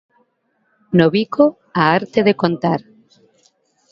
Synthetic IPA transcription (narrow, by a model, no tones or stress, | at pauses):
noβiko | aaɾt̪eðekont̪aɾ